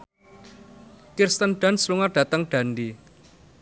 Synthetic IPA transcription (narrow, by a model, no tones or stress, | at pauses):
kirst̪ənɖ̥a̤nsluŋarɖ̥ä̤t̪əŋɖ̥ä̤ndi